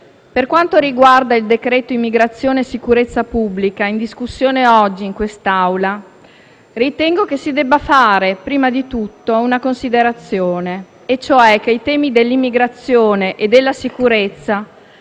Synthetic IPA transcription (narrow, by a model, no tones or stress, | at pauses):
perkwant̪oɾiɡward̪aild̪ekɾɛːt̪oimːiɡɾat̪sːjoːneːsikuɾet̪sːapubːlikaind̪iskusːjoːneɔd͡ʒːiːŋkwest̪awla | rit̪ɛŋɡokesid̪ɛbːafaːɾepɾiːmad̪it̪ut̪ːounakonsid̪eɾat̪sːjoːne | et͡ʃːoɛk̟ːeijt̪ɛːmid̪elːimːiɡɾat̪sːjoːneʔed̪ːelːasikuɾet̪sːa